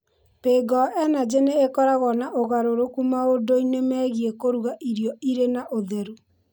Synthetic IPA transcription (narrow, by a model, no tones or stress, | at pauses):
peːɡɔʔɛnad͡ʑeneːkɔɾaɣɔnaʔoɣaɾoɾokumaodoinemɛːɣiekoɾuɣaʔiɾjɔiɾenaʔoðɛɾu